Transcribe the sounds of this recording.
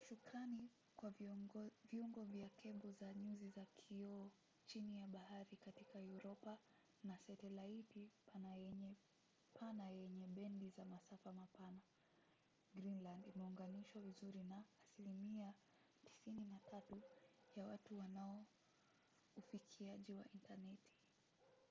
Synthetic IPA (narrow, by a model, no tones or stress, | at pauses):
ʃukɾani | kwa | viuŋɡɔvjakʰɛɓuzaɲuzizakʰiɔ | t͡ʃinijaɓahaɾikatikajuɾɔpa | nasɛtɛlaitipanaɛɲɛ | pʰanajɛɲɛɓɛndizamasafamapana | ɡɾinlandimɛuŋɡaniʃwavizuɾinaːsilimia | ti̥sininatʰatu | jawatuwanaɔ | ufikʰiaʄiwa̰ʔintanɛtʰi̥